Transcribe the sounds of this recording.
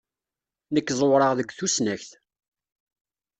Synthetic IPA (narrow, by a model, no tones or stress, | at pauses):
nəkːzˤoɾˤəʁðəɡʷθusnæçθ